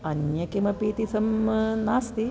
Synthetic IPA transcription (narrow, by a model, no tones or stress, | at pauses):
ɐnjɐkimɐpiːt̪isɐmnaːst̪i